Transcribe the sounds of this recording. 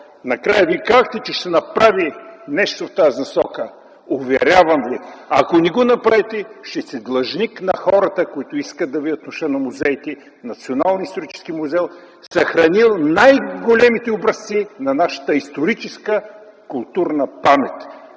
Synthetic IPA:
nɐkɾajəvikazəxt̪ɛt͡ʃɛʃt̪ɛnɐpɾavinɛʃt̪oft̪azinɐsɔkə | ʊvɛɾʲavɐmviɐ̰konɛɡonɐpɾavɛt̪ɛʃt̪ɛsɛd̪lˠɐʒniknɐxɔɾɐt̪əkoit̪ʊiskəd̪ɐvid̪ət̪nʊʃt̪ənɐmʊzɛjt̪ɛ | nɐt̪sionalˠnist̪oɾit͡ʃɛ̥sk̟imʊzɛlˠ | sɐxɾɐnilˠnajɡolʲɛmit̪ɛobɾɐst̪sinɐnaʃə̥t̪əist̪oɾit͡ʃɛskə | kʊlˠt̪uɾnɐpamɛt̪ʲ

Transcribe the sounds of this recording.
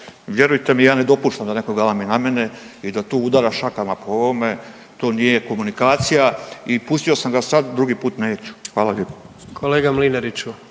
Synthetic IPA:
ʋje̞ɾujt̪e̞mijaːne̞d̪o̞puːʃt̪amd̪ane̞koɡalaminame̞ne | id̪at̪oːud̪aɾaʃakamapoo̞ʋome̞ | t̪oːnije̞ko̞munikaːt̪sijaipust̪io̞samɡasad̪d̪ɾuɡipuːt̪ne̞ːt͡ɕu̥xʋaːlaʎʲepo̥ | kʰoleːɡamlinaɾit͡ɕu

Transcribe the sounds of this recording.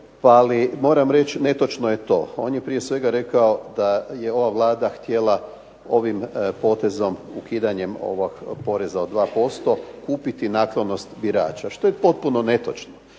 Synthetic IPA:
paalimo̞ːɾamɾe̞t͡ʃne̞t̪o̞t͡ʃnojet̪o̞̰ːo̞ːnjepɾije̞sʋe̞ɡaɾe̞kaod̪aje̞o̞ʋaʋlˠaːd̪axt̪je̞la | o̞ʋimpo̞ːt̪e̞zo̞mukiːd̪aɲe̞mo̰ʋoɡpo̞ɾe̞zaod̪ʋaːpo̞st̪o̞kuːpit̪inaːklono̞st̪biɾa̰ːt͡ʃaʃt̪ojepo̞t̪̚puno̞ne̞t̪o̞t͡ʃno

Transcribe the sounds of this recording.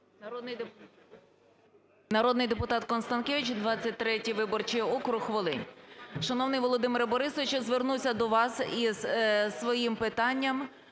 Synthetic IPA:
nɐɾɔd̪nɪjd̪epʊt̪ɑt̪kɔnst̪ɐnkʲeʋʲit͡ʃd̪ʋɑt͡sʲːɐt̚ʲt̪ɾɛtʲiʋɪbɔrt͡ʃiɔkɾʊxʋɔlˠɪ̰nʲʃɐnɔwnɪjʋɔlˠɔd̪ɪmeɾbɔɾɪsɔʋɪʃt͡ʃɔzʋernuwsʲɐd̪ɔʋɑsizsʋɔjimpɪt̪ɑnʲːɐm

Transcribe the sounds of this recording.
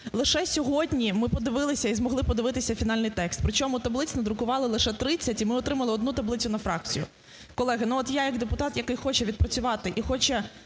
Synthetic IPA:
lˠɪʃɛsʲɔɦɔdʲnʲimɪpɔd̪ɪʋɪlˠɪsʲɐizmɔɦlˠɪpɔd̪ɪʋɪt̪ɪsʲɐfʲinɑlʲnɪjt̪ɛkst̪̚pɾɪt͡ʃɔmʊt̪ɐblˠɪt͡sʲnɔd̪ɾʊkʊʋɑlˠɪlˠɪʃɛt̪ɾɪt͡sʲːɐtʲimɪɔt̪ɾɪmɐlˠɪɔd̪nut̪ɐblˠɪt͡sʲʊnɐfɾɑk̚t͡sʲijʊ̰ | kɔlˠɛɦɐnuɔt̪jajɐɡd̪epʊt̪ɑt̪jɐkɪjxɔt͡ʃɛʋʲid̪̚pɾɐt͡sʲʊʋɑt̪ɪʔixɔt͡ʃɛ

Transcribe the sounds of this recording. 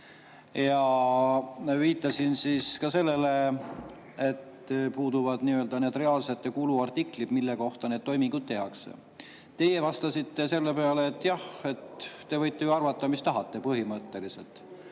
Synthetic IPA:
jɑ | viːt̪ːˑɑsinsiːskɑse̞lːe̞le̞ | et̪ː | puːd̪̥uvɑd̪̥niø̞ld̪̥ɑne̞ːd̪re̞ɑːlse̞t̪ːˑekuluɑrt̪iklid̪milːeko̞ht̪ɑne̞ːd̪̚t̪o̞jmiŋɡ̥ud̪̥̚t̪e̞ɦɑksḛ | t̪e̞jevɑst̪ɑsit̪ːe̞se̞lːepeɑleːt̪ːˑjɑhe̞t̪ːe̞vɤjt̪ːˑejuɑrvɑt̪ːˑɑmist̪ɑɦɑt̪ːe̞pɤɦimɤt̪ːe̞liselt̪ˑ

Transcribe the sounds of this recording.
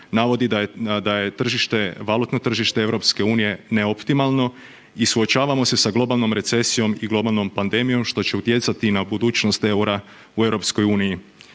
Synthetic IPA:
naʋo̞d̪id̪d̪aje̞t̪r̩ʒiʃt̪e̞ʋalˠut̪no̞t̪r̩ʒiʃt̪eevɾopske̞uːnije̞ne̞opt̪imalˠno̞ | isuot͡ɕaːʋamo̞se̞saɡlˠo̞balˠno̞mɾe̞t̪se̞sijo̞miɡlo̞balˠno̞mpand̪e̞mijo̞mʃt̪o̞t͡ɕe̞ut̪je̞t̪sat̪inabud̪uːt͡ʃno̞st̪e̞uɾa | ue̞ʋɾo̞psko̞juːniji

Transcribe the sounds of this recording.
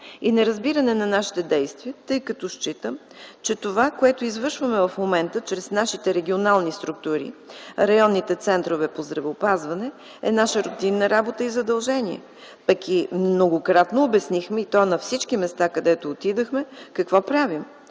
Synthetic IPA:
inɛɾɐzbiɾɐnɛnɐnaʃi̥t̪ɛd̪ɛjst̪viət̪ɤjkɐt̪ɔʃt͡ʃit̪əm | t͡ʃɛt̪ovakoɛt̪oizvəɾʃvəmɛvɐfmomɛnt̪ət͡ʃɾɛsnaʃit̪ɛɾɛɡʲionalˠnist̪ɾuk̚t̪uɾḭɾɐjɔnːit̪ɛt̪sɛnt̪ɾovɛpozd̪ɾɐvɛːpazvɐnɛ | ɛnaʃəɾot̪inːəɾabot̪əizɐd̪ɐlˠʒɛniɛ̰ | pɐkimnoɡokɾat̪noːbɛsnixmɛit̪ɔnɐfsit͡ʃkimɛst̪akɐd̪ɛt̪oːt̪id̪əxmɛkɐkvɔpɾavim

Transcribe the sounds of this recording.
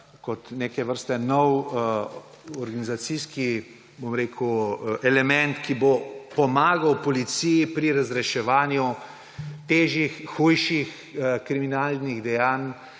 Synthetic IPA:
kɔt̪nekɛʋəɾst̪ɛnɔw | ɔɾɡanizat̪siski | bomɾeːkʰuʔɛlɛmɛnt̪kibopɔmaːɡawpɔlit̪sijipɾiɾazɾɛʃɛʋaːnju | t̪eːʒixːujʃix | kɾiminaːlniɣd̪ɛjaːn

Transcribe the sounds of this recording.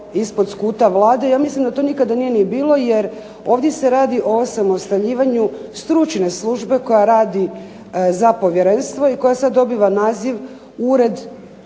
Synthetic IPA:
ispod̪skuːt̪aʋlˠaːd̪ejaːmislimd̪at̪oːnikad̪anije̞nijebiːlo̞jeɾ | o̞ːʋd̪je̞se̞ɾaːd̪iʔo̞osamo̞st̪aʎiːʋaɲust̪ɾut͡ʃne̞slˠuʒbe̞ko̞jaɾaːd̪i | zapo̞ʋjeɾe̞nst̪ʋo̞iko̞jasad̪ːo̞biʋanaːziʋ | uɾe̞d̪

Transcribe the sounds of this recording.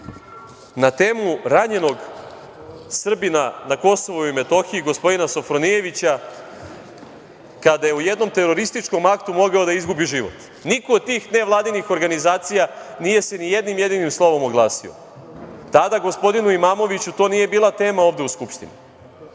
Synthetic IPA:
nat̪e̞ːmuɾaɲe̞no̞ɡ | sr̩binanako̞so̞ʋoime̞t̪o̞xiiɡo̞spo̞d̪inaso̞fɾo̞nije̞ʋit͡ɕa | kad̪ajeuje̞d̪no̞mt̪e̞ɾo̞ɾist̪it͡ʂko̞makt̪umo̞ɡaod̪aizɡubiʒiʋo̞̰t̪ | nikoːd̪̚t̪iːxne̞ʋlˠaːd̪inixo̞ɾɡanizaːt̪sijanije̞se̞nijed̪nimje̞d̪inimslˠo̞ʋo̞moɡlˠaːsio̰ | t̪ad̪aɡo̞spo̞d̪inuimaːmo̞ʋit͡ɕut̪o̞nije̞biːlˠat̪e̞ːmaoːʋd̪e̞uskupʃt̪inḭ

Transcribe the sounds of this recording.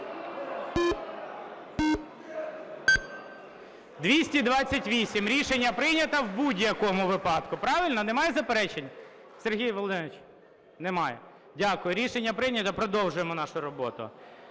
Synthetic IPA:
d̪ʋʲisʲtʲid̪ʋɑt͡sʲːɐtʲʋʲisʲimɾʲiʃe̞nʲːɐpɾɪnʲɐt̪ɐwbudʲjɐkɔmʊʋɪpɑd̪kʊpɾɑʋɪlʲnɔnemɑjɛzɐpeɾɛt͡ʃenʲ | seɾɦʲijʋɔlˠɔd̪ɪnʋɪt͡ʃʲ | nemɑjɛ | dʲakʊjʊɾʲiʃenʲːɐpɾɪnʲɐt̪ɐpɾɔd̪ɔwʒʊjemɔnɑʃʊɾɔbɔt̪ʊ̰

